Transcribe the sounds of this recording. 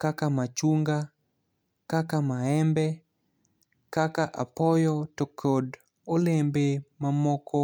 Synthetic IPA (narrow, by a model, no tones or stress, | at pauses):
kakamat͡ʃuŋɡa | kakamaɛmbɛ | kakaʔapɔjɔtokʰod | olembemamɔkɔ